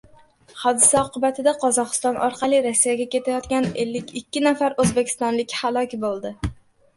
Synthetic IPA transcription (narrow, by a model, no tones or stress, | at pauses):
hɒd̪ɪsaɒqʰʊbat̪ʰɪd̪aqʰɒzɒqɨ̥st̪ɒnʔɒ̰ɾqʰɑlˠɪɾɒsːijaɡʲakʲʰe̞t̪ʰajɒt̪kʲane̞lːɪkʲɪkʲʰːɪnafaɾɵzbekʲʰɪ̥st̪ɒnlɪkʲhalˠɒkʲbolˠd̪ɪ